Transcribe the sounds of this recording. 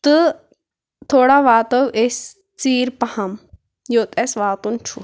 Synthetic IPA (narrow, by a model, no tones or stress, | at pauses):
t̪ɨ | t̪ʰoːɽaʋaːt̪ɐwʔes | t͡siːɾpɐhɐm | joːt̪ʼesʋaːt̪unt͡ʃʰu